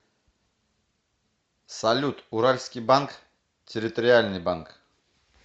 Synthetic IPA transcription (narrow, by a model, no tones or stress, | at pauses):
sɐlʲut̪uɾalʲskʲijbank | tʲʰɪɾʲɪt̪oɾʲɪalʲnɨjbank